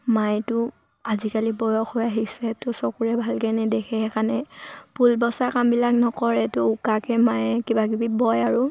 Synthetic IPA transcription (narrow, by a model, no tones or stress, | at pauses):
majtʊ | azikalibɔjɔxʰɔjaɦisɛtʊsɔkuɹɛbʱalkɛnɛdɛkʰɛɛkanɛpʰulbɔsakambilaknɔkɔɹɛtʊukakɛmajɛkibaɡibibɔjaɹʊ